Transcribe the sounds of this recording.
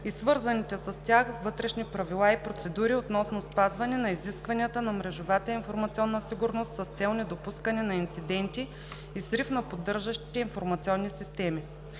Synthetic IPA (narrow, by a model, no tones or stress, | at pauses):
isvɤɾzɐnit̪ɛsɐst̪ʲjaxvɤt̪ɾɛʃnipɾɐvilˠaipɾot̪sɛd̪uɾiot̪nɔsnospazvɐnɛnɐiziskvɐniət̪ənɐmɾɛʒovat̪əinfoɾmɐt̪siɔnːəsiɡuɾnost̪sɐst̪sɛlˠnɛd̪opuskɐnɛnɐint̪sid̪ɛnt̪i | isɾifnɐpod̪ːɤɾʒəʃt̪iinfoɾmɐt̪sʲiɔnːisist̪ɛmi